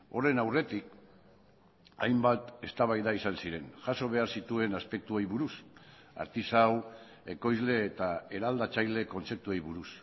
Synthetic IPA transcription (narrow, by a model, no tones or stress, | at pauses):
o̞re̞nawre̞t̪ik̚ | a̰jmbat̪e̞st̪aβajðaisansiɾe̞nʝaso̞β̞e̞aɾsit̪ue̞naspe̞k̚t̪uejβuɾus | a̰ɾt̪isaw | e̞ko̞jzle̞ːt̪ae̞ɾald̪at͡sajle̞ko̞nt͡se̞p̚t̪uejβuɾus